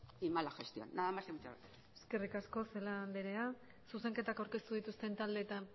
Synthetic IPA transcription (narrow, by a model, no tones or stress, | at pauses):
imalaxest̪io̰nːaðamaseut͡ʃa̰ɾ | e̞ske̞rikasko̞se̞laleɾe̞a | suse̞ŋke̞t̪akawɾke̞st̪uð̞it̪ust̪e̞nt̪ald̪e̞ːt̪a